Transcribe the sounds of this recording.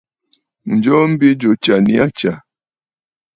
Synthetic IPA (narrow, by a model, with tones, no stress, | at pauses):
n̩˨d͡ʒɔ˦m̩˦bi˦d͡ʒo˨t͡ʃa˨ni˦a˦t͡ʃa˨